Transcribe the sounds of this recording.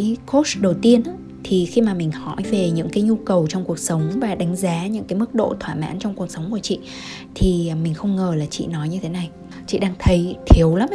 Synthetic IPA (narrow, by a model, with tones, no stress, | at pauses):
jko˦˥sɗə˨˩wt̪i˧ənʔaː˨˦ | t̪ʰi˨˩xi˧maː˨˩mï˨˩ŋ̟hɔ˧˩jve˨˩ɲɨ̰˧˥ŋkaː˨˦jɲu˧kə˨˩wt͡ɕɔ˧ŋ͡mku˨˩ək̚sə˨˦wŋ͡mvaː˨˩ɗa˨˦ŋ̟zaː˨˦ɲɨ̰˧˥ŋkaː˨˦jmɨ˦˥k̚ɗo̰˧˨t̪ʰwaː˧˩ma̰ː˧˥nt͡ɕwŋ͡mku˨˩ək̚sə˨˦wŋ͡mku˧˩ət͡ɕḭ˧˨ | t̪ʰi˨˩mï˨˩ŋ̟xə˧wŋ͡mŋəː˨˩laː˨˩t͡ɕḭ˧˨nɔ˨˦jɲɨ˧t̪ʰe˨˦na˨˩j | t͡ɕḭ˧˨ɗaː˧ŋt̪ʰə˨˦jt̪ʰi˨˦əwla˨˦m